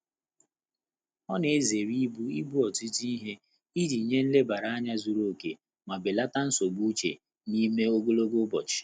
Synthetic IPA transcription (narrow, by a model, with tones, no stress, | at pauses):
ɔ˦ne˨e˦ze˨ɾi˦bu˦i˦bu˦ɔ˨ti˦ti˦i˦ɦe˦ | i˦di˨ɲe˦n̩˦le˦ba˨ɾa˨a˦ɲa˦zu˨ɾo˦˨ke˨ | ma˨bɪ˨la˦ta˦n̩˦so˨bu˦t͡ʃḛ˨ | ni˦me˦o˦ɡo˦lo˦ɡo˦bɔ˨t͡ʃɪ̥˨